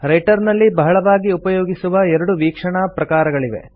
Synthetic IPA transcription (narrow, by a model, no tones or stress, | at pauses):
ɾɐjʈɐɾnɐlːibɐɦɐɭɐʋaːɡiupɐjoːɡisuʋɐɛɾɐɽuʋiːkʂɐɳapɾɐkaːɾɐɡɐɭiʋḛ